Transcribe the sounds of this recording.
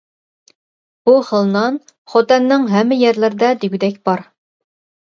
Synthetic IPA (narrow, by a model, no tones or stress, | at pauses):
b̥uχəlˠnɑn | χɑt̪ɛnːɪŋɦɛmːɪjɛɾlɪɾɪd̪ɛd̪yɡʲyd̪ɛkʲb̥ɑɾ